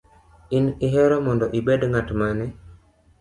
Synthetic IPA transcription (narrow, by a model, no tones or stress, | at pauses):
iniɦɛɾɔmɔndɔʔibedŋatmanɛ